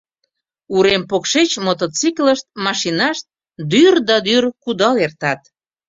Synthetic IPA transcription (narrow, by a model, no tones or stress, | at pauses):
uɾempokʃet͡ɕmot̪ot͡sikləʃt̪̚mɑʃinɑʃt̪̚ | d̪yrd̪ɑd̪yrkud̪ɑlert̪ɑt̪